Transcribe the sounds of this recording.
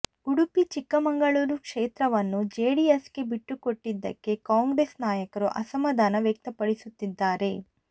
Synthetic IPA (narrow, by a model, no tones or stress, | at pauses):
uɽupit͡ʃikːɐmɐŋɡɐɭuːɾukʂeːt̪ɾɐʋɐnːud͡ʒeːɽiesɡe̞biʈːuko̞ʈːid̪ːɐ̰kːe̞kaːŋɡɾeːsnaːjɐkɐɾuʔɐsɐmːɐd̪ʱaːnɐʋjɐk̚t̪ɐpɐɽisut̪ːid̪ːaːɾe̞